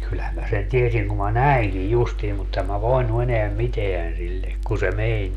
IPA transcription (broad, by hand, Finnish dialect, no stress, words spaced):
kylhæm mæ sen tiesiŋ kum mɑ næiŋkij justiːm mut em mæ ʋoinu eneæm miteæn silːe kun se menʲ